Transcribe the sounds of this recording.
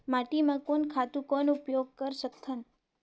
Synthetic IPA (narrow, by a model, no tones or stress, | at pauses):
maʈimãkonkʰat̪ũkonupjoɡ̚kəɾʃəkt̪ʰːən